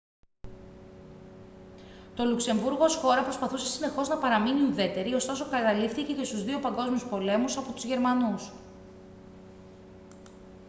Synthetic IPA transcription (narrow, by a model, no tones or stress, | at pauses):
t̪o̞lukse̞ɱvuɾɣosxo̞ɾɐpɾo̞spɐθuse̞̥sine̞xo̞znɐpɐɾɐminiuðe̞t̪e̞ɾiost̪o̞so̞kɐt̪ɐlifθice̞ce̞st̪uzðio̞pɐŋɡo̞zmiuspo̞le̞musɐpo̞t̪uzʝe̞ɾmɐnus